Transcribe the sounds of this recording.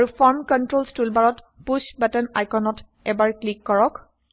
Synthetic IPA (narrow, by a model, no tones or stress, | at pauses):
aɹufaɹmkɔntɹolstulbaɹɔt | pusbatɛnajkɔnɔt | ɛbaɹklikːɔɹɔk